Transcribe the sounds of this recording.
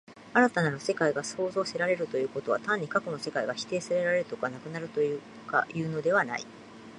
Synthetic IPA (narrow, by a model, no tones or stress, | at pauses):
aɾat̪anaɾose̞kaiɡaso̞ːzo̞ːse̞ɾaɾe̞ɾɯ̟t̪o̞jɯ̟ːko̞t̪o̞βat̪ãɲ̟ːikako̞no̞se̞kaiɡaçi̥t̪e̞ːsaɾe̞ɾaɾe̞ɾɯ̟t̪okanakɯ̟naɾɯ̟t̪o̞jɯ | ka̰jɯ̟ːno̞d̪e̞βana̰ḭ